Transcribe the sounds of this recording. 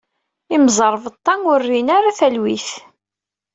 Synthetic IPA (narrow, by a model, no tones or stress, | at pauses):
imzˤəɾˤvət̪ˤːɑnʊrːinaɾaθælwiθ